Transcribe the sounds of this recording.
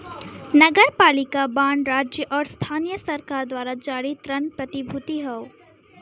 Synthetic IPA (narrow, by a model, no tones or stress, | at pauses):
nɐɡəɾpaːlɪkabãːɳɖɾaːd͡ʒjəʔɔːɾst̪ʰaːnijəsɐɾkaːɾd̪waːɾad͡ʒaːɾit̪ɾənpɾɐt̪ibʱʊt̪iɦɛo